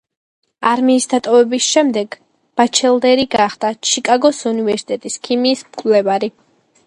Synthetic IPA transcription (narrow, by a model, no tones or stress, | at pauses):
aɾmiːsd̪at̪ʼɔvɛbisʃɛmd̪ɛɡ | b̥at͡ʃʰɛlˠd̪ɛɾiɡaχd̪at͡ʃʰikʼaɡɔsunivɛɾsi̥t̪ʼɛt̪ʼiskʰimiːsmkʼvlɛvaɾi